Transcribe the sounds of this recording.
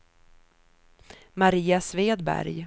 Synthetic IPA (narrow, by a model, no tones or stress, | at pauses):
maɾiːasveːd̪bæ̰ɾj